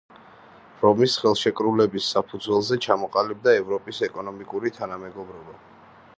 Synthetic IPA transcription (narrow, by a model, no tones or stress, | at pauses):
ɾɔmisχɛlˠʃɛkʼɾulɛbisːapʰud̪zwɛlˠzɛt͡ʃʰamɔqʼalib̚d̪aɛvɾɔpʼisɛkʼɔnɔmikʼuɾit̪ʰanamɛɡɔbɾɔba